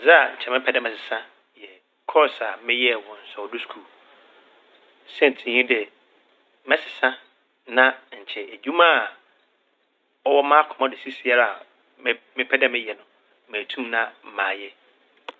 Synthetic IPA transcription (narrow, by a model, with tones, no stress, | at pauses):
za˦a˨ɲ̩˨t͡ɕʰɛ˨mɪ̃˦pʰɛ˦dɛ̃˦mɛ̃˨sɪ˨sã˦ | jɛ˨ | kʰɔ˦sa˨mɪ̃˦jɛ˦˨wɔ̃˨n̩˨˦sɔ˨ɔ˨du˦skʰuː˦˨ | sɛ˦n̩˨tʰɪ̃˨ɲĩ˦dɛ˨ | mɛ̃˦sɪ˨sã˦ | nã˦ɲ̩˨t͡ɕʰɛ˨æ˨d͡ʑᶣũ˦mã˦˨ | ɔ˦wɔ˦mã˦kʰʊ̃˨mã˦dɪ˨si˦si˦a˦ɾa˦a˨ | m˦mɪ̃˦pʰɛ˦dɛ˦mɪ̃˦jɛ˨nʊ̃˨˦ | mæ̃ː˨tʰũ˦mnã˦m̩˨mãː˨jɛ˦